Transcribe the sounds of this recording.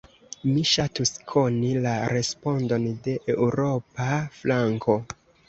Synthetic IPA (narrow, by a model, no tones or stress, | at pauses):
miʃatuskʰo̞nilaɾe̞spo̞ndo̞nde̞ʔeuɾo̞paflaŋko̞